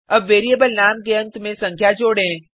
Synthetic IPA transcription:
ɐbʋeːɾieːbəlnaːmkeɐ̃nt̪mẽsɐ̃ŋkʰjad͡ʒoːɽɦẽː

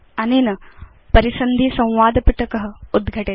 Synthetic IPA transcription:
ɐnenɐ | pɐɾisɐnd̪ʱiːsɐ̃w̃ʋaːd̪piʈʰəkəɦəud̪ɡʱəʈe

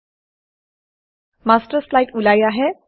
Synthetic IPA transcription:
masʈəɾslaiʈulajaɦe

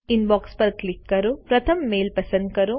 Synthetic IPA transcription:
inbaːkspɐɾklikːɐɾupɾɐt̪ʰɐmːeːlpɐsɐnkɐɾu

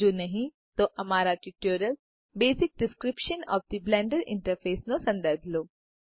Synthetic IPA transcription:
oːnɐɦĩ | t̪oʔɐmaːɾaʈuʈjuːɾəl | beːsɪk̚ɖɪskɾɪpʃənɔ̰ːfd̪iblɛ̃ːɳɖəɾɪ̰̃ɳʈəɾfeːsnõsɐ̃nd̪əɾbʱloː

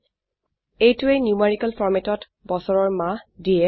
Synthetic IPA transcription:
ejtʊejnjiumeɹikalfʰɔɹmetɔt | bɔsɔɹɔɹmãdijɛ

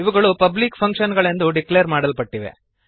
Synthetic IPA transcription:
iʋɐɡɐɭupɐblikpʰɐŋkʂɐnɡɐɭend̪uɖiklejɐɾmaːɽɐlpɐʈːiʋḛ

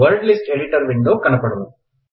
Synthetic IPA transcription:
ʋɐɾɖlɪsʈeɽɪʈɐɾʋɪɳɖoːkɐɳɐpːɐɽɐlɐm

